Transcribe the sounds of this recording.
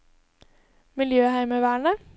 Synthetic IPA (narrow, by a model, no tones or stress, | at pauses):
mɪljøːhæɪməʋæːɳə